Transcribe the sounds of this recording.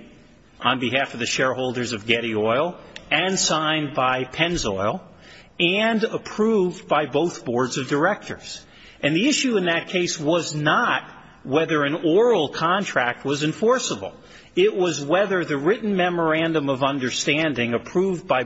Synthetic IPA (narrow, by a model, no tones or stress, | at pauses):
ʔə̃nbɨɦæfʌvðɨʃɛɹhoʊlˠdə˞zʌvɡɛɾiɔɪlˠɨ̃nsãɪ̃nbaɪpʰɛ̃nzɔɪlˠ | ɨ̃nəpʰɹ̥uvbaɪboʊθb̥ɔɹdzʌvdə˞ɛk̚tə̰˞z̥ | ʔɨ̃nðiɪʃʉɨ̃nðɨt̚kʰeɪswʌznət̚ | wɛðə˞ɨ̃nɔɹl̩ˠkʰɑ̃ntʰɹ̥æk̚t̚wʌzɨ̃ɱfɔɹsəbl̩ˠ | ɪʔ̚wʌzwɛðə˞ðɨɹɪʔn̩mɛmə˞æ̃ndə̃mʌvʌ̃ndə˞stæ̃ndɪ̃ŋɨpʰɹ̥uvbaɪ